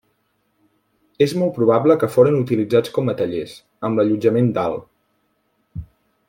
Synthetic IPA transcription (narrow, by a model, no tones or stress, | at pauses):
ezmɔl̚ˠpɾuβ̞abləkəfoɾənut̪ilid͡zat͡skɔmət̪əʎes | əmləʎud͡ʒəmend̪a̰lˠ